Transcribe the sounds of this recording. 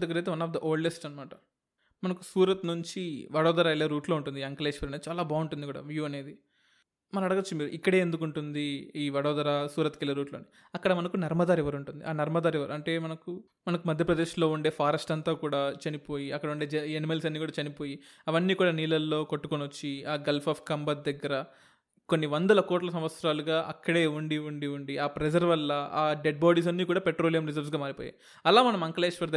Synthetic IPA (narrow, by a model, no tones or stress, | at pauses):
d̪ɐɡːɐɾɐjt̪eʋɐnaːfd̪ɐʔoːɭɖe̞sʈɐnɐmaːʈɐ̥ | mɐnɐkusuːɾɐt̪nuɲt͡ʃiʋɐɽɔːd̪ɐɾaːilɐɾuːʈlo̞ːuɳʈund̪iɐŋkɐleʃʋiːɾɐnːt͡ʃaːlaːbʱaːuɳʈund̪ikuːɽa̰ːʋjuːɐne̞ːd̪i | mɐnɐɐɽɐɡɐt͡ʃːumiːɾuʔikːɐɽe̞ːend̪uk̬uɳʈund̪iiːʋɐɽɔːd̪ɐɾaːsuːɾɐt̪kilːɐɾuːʈloːni | ɐkːɐɽɐmɐnɐkunɐɾmɐd̪aːɾɛʋɐɾuɳʈund̪ḭʔaːnɐɾmɐd̪aːɾɛʋɐɾɐɳʈe̞ːmɐnɐku | mɐnɐkumɐd̪ʱjɐpɾɐd̪eːʃloːuɳɖe̞ːpʰaːɾɐsʈɐnt̪aːkuːɽaːt͡ʃɐnipo̞ːjiɐkːɐɽɐuɳɖe̞ːd͡ʒenimelsɐnːiːkuːɽaːt͡ʃɐnipo̞ːji | ɐʋɐnːiːkuːɽaːniːlɐlːo̞ːkoʈːukonot͡ʃːiaːɡɐlpʰɐfʰkɐmbɐt̪̚d̪ɐɡːɐɾɐ | konːiʋɐnd̪ɐlɐkoːʈlɐsɐ̃mʋɐt̪sɾaːluɡaːʔɐkːɐɽe̞ːuɳɖiuɳɖiuɳɖiaːpɾed͡ʒɐɾʋɐlːɐaːɖeɖ̚baːɽiːs̬ɐnːiːkuːɽaːpeʈɾo̞ːlijɐmɾid͡ʒɐɾʋs̬ɡaːmaːɾipo̰ːja̰j | ɐlaːmɐnɐmɐŋkɐleːʃʋɐɾd̪ɐ